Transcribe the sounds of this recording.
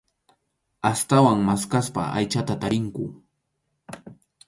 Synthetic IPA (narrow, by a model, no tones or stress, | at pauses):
ast̪awaŋmaskaspa̰a̰jt͡ʃat̪at̪aɾɪŋkʊ